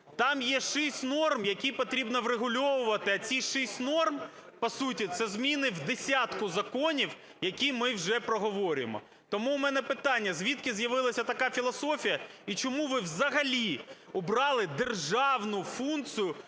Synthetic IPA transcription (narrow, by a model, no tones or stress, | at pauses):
t̪ɑmjɛʃɪsʲtʲnɔrmjɐkʲijpɔt̪ɾʲibnɔʋɾeɦʊlʲɔʋʊʋɐt̪ɪɐt͡sʲiʃɪsʲtʲnɔrm | pɐsutʲit̪sɛzmʲinɪwd̪esʲat̪kʊzɐkɔnʲiw | jɐkʲimɪwʒɛpɾɔɦɔʋɔɾʲɪmɔ̰ | t̪ɔmuːmɛnɛpɪt̪ɑnʲːɐzʲʋʲit̪kɪzjɐʋɪlˠɐsʲɐt̪ɐkɑfʲilˠɐsɔfʲijɐit͡ʃɔmuʋɪwzɐɦɐlʲi | ʊbɾɑlˠɪd̪erʒɑwnʊfunkt͡sʲijʊ